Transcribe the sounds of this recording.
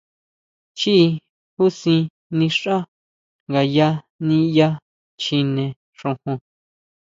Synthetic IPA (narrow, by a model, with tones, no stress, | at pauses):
t͡ʃi˦˧ | hu˦sĩ˧ | nĩ˧ʂa˦ | ŋɡa˨ja˦ | nĩ˧ja˦ | t͡ʃi˧nẽ˧ | ʂõ˧hũ˧